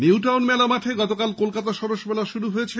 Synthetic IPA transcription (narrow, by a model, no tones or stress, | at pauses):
niuʈawnmɛlamaʈʰeɡɔt̪okalkolkat̪aʃɔɾoʃmɛlaʃuɾuɦoet͡ɕʰe